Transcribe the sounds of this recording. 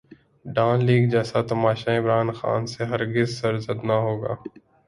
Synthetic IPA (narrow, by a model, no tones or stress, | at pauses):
ɖaːnliːɡd͡ʒɛːsat̪ɐmaːʃaɪmɾaːnxa̰ːnseɦɐɾɡɪzsɐɾzəd̪naɦoːɡa̰ː